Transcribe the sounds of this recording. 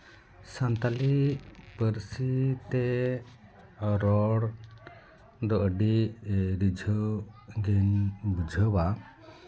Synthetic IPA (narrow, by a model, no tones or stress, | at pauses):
sant̪alipəɾsit̪ɛ | ɾɔɽ | d̪ɔʔəɖiɾid͡ʒʱəɡɛnbud͡ʒʱəwa